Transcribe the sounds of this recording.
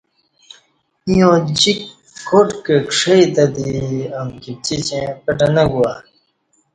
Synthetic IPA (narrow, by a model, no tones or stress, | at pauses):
ĩjõd͡ʑikː | oʈkekʂɐit̪ɐd̪iɐmkip̚t͡ɕit͡ɕẽpɐʈɐnɐɡuwa